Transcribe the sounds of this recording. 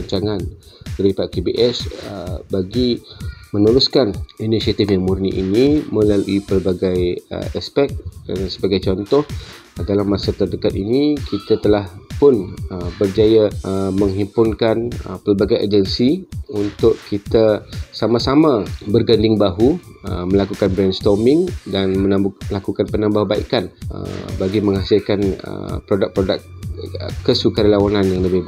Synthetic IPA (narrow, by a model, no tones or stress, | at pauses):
aɲt͡ʃaŋan | dəɾipakebiʔɛsəbaɡimənuɾuskaninisiat̪ɪfjaŋmurnḭʔḭnimə̃laluipəlbaɡajə̰ɛspɛk̚kanasəbaɡajt͡ʃɔnt̪ɔh | dalamːasat̪ərdəkat̪̚inikʰit̪at̪əlahpʊnəbərd͡ʒajaməŋɦipʊnkanə̰pəlbaɡajʔa̰d͡ʒənsiunt̪ʊʔkit̪asamasamãbərɡandɪŋbaɦuəmə̃lakukanbɾɛnst̪ɔrmɪŋdanmənablakukanpənãmbahbaḭkanə̰baɡiməŋasikanə̰pɾodak̚pɾoda̰k̚ | kːəsukaɾalawananjaŋləbɪb